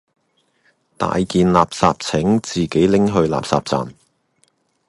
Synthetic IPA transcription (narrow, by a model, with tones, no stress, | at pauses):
t̪a̰ː˨jkiː˨nlaː˨p̚saː˧p̚t͡sʰɪ˨˥ŋt͡siː˨ke˨˥jlɪ˥ŋɦɵ˧ɥla̰ː˨psa̰ː˨p̚t͡sa̰ː˨m